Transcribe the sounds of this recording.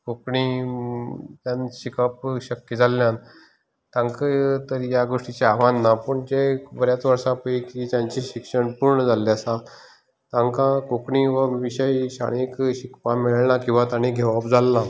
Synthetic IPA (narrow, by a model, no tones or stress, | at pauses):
kokɳi | t̪jãnɕikapɕəkːjed͡zʱalːjãn | t̪ãŋkət̪əɾjaɡoʂʈit͡ɕeaʋanːapəɳd͡ʑebəɾjat͡sʋəɾʂãpəikit̪jãɲt͡ɕiɕikʂəɳpuɾɳəd͡zalːiasa | t̪ãŋkãkokɳiʋəʋiɕəiɕa̰ɽ̃ekɕikpãmiɭnakĩw̃ʋat̪añiɡʱeʋapd͡zalːa